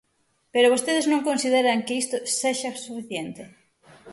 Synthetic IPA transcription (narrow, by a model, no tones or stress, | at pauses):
peɾoβost̪eð̞eznõŋkõnsið̞eɾaŋkɪist̪oseʃasufiθjent̪ɪ